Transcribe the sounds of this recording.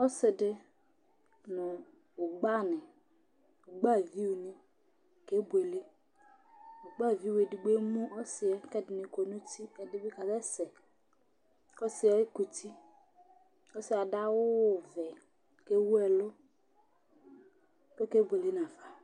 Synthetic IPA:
ɔ˦sɪ˨dɪ˦ | nʊ˨ | ʊ˨ɡ͡ba˦˨nɪ˨ | ʊ˨ɡ͡ba˦˨vi˦u˨nɪ˦ | ke˦bu˨e˨le˦ | ʊ˨ɡ͡ba˦˨vi˦we˨di˨ɡ͡be˦mu˦ɔ˦sɪ˨ɛ˦kɛ˦dɪ˨nɪ˨ko˨nu˦ti˦ɛ˨dɪ˦bi˦ka˨zɛ˦sɛ˨ | kɔ˦sɪ˨ɛ˦ku˨tʰi˦ | ɔ˦sɪ˨a˨da˦wʊ˦˨vɛ˨ | ke˦wu˦ɛ˨lʊ˦ | ko˦ke˦bʷe˨le˦n˨a˨va˨

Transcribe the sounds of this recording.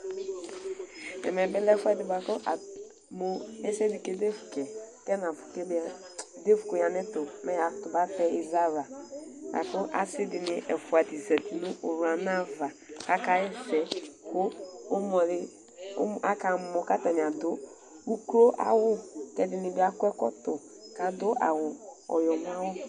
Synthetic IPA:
ɛ̰˨mɛ˨bɛ˦lɛ˦fɛ˦dɪ˨ba˨kʊ˦ʔa˨ | mo˨ɛ˦sɛ˦di˨ke˦de˦fu˨kɛ˨kɛ˦na˨fu̥˨ke˦b | de˦fu˨kʊ˨ja˨nɪ˦tʊ˨mɛ˦ja˨˦tʊ˨ba˦tɛ˦i˨za˦ɾa˨ba̰˨kʊ˦ʔa̰˦sɪ˦dɪ˨nɪ˨˦ʔɛ˨fu˨a˨ti˨zɛ˨ti˨nʊ˦ʔo˨ɾu˨a˨na˦va˨ | ka˦ka˦ɛ˦fɛ˨kʊː˦mɔ˨ɾɪ̰˨˦˨ | a˦ka˨m˨mɔ˨˦ka˦ta˨n˨a˨do˦ | u˦ku˦ɾo˦ʔa̰˨wʊ˦kɛ˨dɪ˨nɪ˨bɪ˦a˦kʷɛ˦kɔ̰˦tʊ˨ | ka˨dʊ˦ʔa̰˨wʊ˨ɔ̰˨jɔ˨m˦a˦wʊ˦

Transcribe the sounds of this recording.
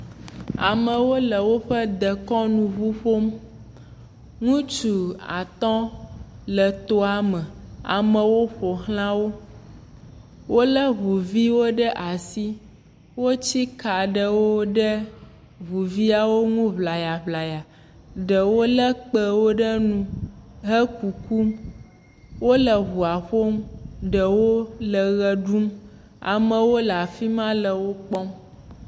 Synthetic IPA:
a̰˨mə̃˨wo˦lə˨wo˦ɸə˦d̪ə˨kɔ̃˦nũ˨βu˦ɸo˦m | ŋũ˦t͡ʃu˨a̰˨t̪ɔ̃˦ | lə˨t̪o˦a˨mə̃˨a̰˨mə̃˨wo˦ɸo˨ɦl̃ã˦wo˦ | wo˦lə˦βu˨vi˦wo˦ɖə˦ʔa˨si˦ | wo˦t͡ɕi˦ka˨ɖə˦wo˦ɖə˦ | ɦu˨vi˦a˨wo˦ŋũ˦βla˨ja˨βla˨ja˨ | ɖə˨wo˦lə˦k͡pə˨wo˦ɖə˦nũ˦ɦə˦ku˨ku˦m | wo˦lə˨ɦu˨a˨ɸo˦mɖə˨wo˦lə˨ɣə˨ɖu˦m | a̰˨mə̃˨wo˦la˨fi˦mã˦lə˨wo˦k͡pɔ˦m

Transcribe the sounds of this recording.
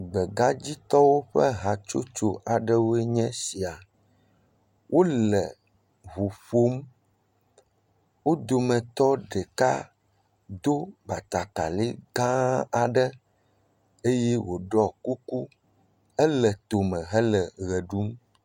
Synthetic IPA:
ɡ͡bɛ˨ɡa˦d͡ʑi˦t̪ɔ˦wo˦ɸə˦ɦã˨t͡ʃo̰˦t͡ʃo˨ʔa˨ɖə˦wo˦ɛ˦ɲɛ̃˦si˨a˨ | wʔo˦lɛ˨ | βu˨ɸo˦m | wo˦d̪o˨mɛ̃˨t̪ɔ˦ɖɛ˨ka̰˦ | d̪o˦ba˨t̪a˨t̪a˨li˦ɡã˦a˨ɖə˦ | e˦jɛ˦wo˨ɖɔ˦ku˦ku˦ | ɛ˦lɛ˨t̪o˨mɛ̃˨ɦɛ˦lɛ˨ɣɛ˨ɖu˦m

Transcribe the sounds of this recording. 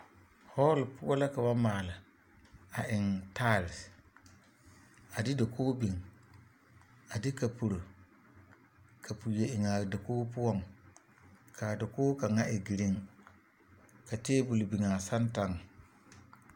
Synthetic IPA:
hɔ˦lpʊ˦ɔ˦la˦ka˨ba˦maː˨la˨ | a˨ʔɪ˨ŋta˦˨ls | a˨dɪ˦da˨kʰoː˦bi˨ŋ | a˨dɪ˦ka˨pu˨ɾo˨ | kʰa˨pu˨je˨ʔɪ˨ŋa˨da˨koː˦pʊ˦ɔ˦˨ŋ | kʰa˨da˨koː˦ka˨ŋa˦ʔɪ˨ɡi˨ɾi˦ŋ | ka˨teː˦bu˨lbi˨ŋa˨sa˦nta˦ŋ

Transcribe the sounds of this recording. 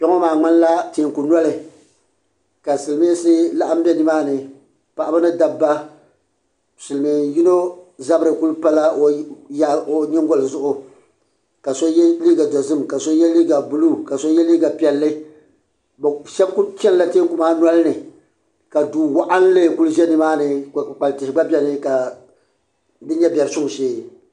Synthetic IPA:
pɛ˦ŋo˦maː˨ŋ͡mɨ˦n˦la˦te˨ŋku˨na˦lɪ˨ | ka˨sɨ˨lmi˦sɨ˦la˦ʔa˦m̩˦bɛ˦nɨ˦maː˦nɨ˨ | pa˨ʔa˦ba˦nɨ˦da˨bːa˦ | sɨ˨lmi˨ji˦no˦za˦bɨ˦ɾɨ˨ku˦lpa˦la˦o˨˦ja˦o˨ɲɪ˦ŋɡɔ˦lɨ˨zʊ˦ʔʊ˨ | ka˨so˦jliː˦ɡa˨da˨zɨ˦mka˨so˦jɛ˦liː˦ɡa˨bu˨lu˦ka˨so˦jɛ˦liː˦ɡa˨pi˨ɛ˨lːɨ˦ | bʃɛ˦bkt͡ʃɛ˦n˦la˦teː˦kʊ˨maː˦nwa˦lnɨ˨ | ka˨duː˨wa˦ʔa˦n˦le˦˨ku˦lʒɛ˦nɨ˦maː˦nɨ˨k͡pa˨ltɪ˨hɪ˨ɡ͡ba˦bʲɛ˦nɨ˨ka˨ | bɪ˦ɲɛ˦bʲɛ˨ɾɨ˨˦sʊ˦˨ʃeː˦˨

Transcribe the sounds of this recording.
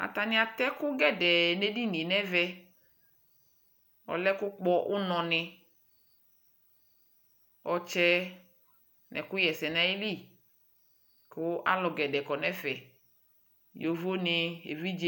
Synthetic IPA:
a̰˨t̪a˨nɪ̃˦a˨t̪ɛ˦kʊ˦ɡɛ˦dɛ˨ne˦di˦nĩ˨nɛ˦vɛ˦ | ɔ̰˨lɛ˦kʊ˦k͡pɔ˦ʔʊ˦nɔ̃˨nɪ˨ | ɔ˨t͡ʃɛ˦ | nɛ̰˨kʊ˦jɛ˨sɛ˨nã˨i˦li˦˨ | kʊ˦a̰˦lɔ˨ɡɛ˨dɛ˨kɔ˨nɛ˦fɛ˨ | jo˨vo˦nɪ˨ḛ˨vi˦d͡ʒe˦

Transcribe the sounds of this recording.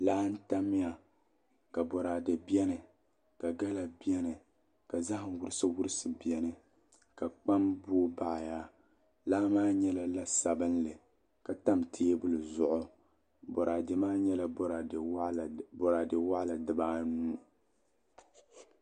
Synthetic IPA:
laː˦n̩˦ta˦mɪ˦a˨ | ka˨bɔ˨ɾaː˨dɨ˨bi˦ɛ˦nɨ˨ | ka˨ɡa˦la˨bi˦ɛ˦nɨ˨ | ka˨za˦hwʊ˦ɾɨ˦sɨ˦wʊ˦ɾɨ˦sɨ˨bi˨ɛ˨nɨ˦ | ka˨k͡pa˦mboː˦ba˨ʔja˦ | laː˦maː˦ɲɛ˦la˨la˦sa˨bɨ˦nlɨ˨ | ka˨ta˦mtʰeː˦bʊ˦lɨ˨zʊ˨ʔʊ˦ | bɔ˨ɾaː˨dɨ˨maː˦ɲɛ˦la˦˨bɾa˨bɔ˨ɾa˨dɨ˨wa˦ʔla˨dɨ˨baː˦nuː˦

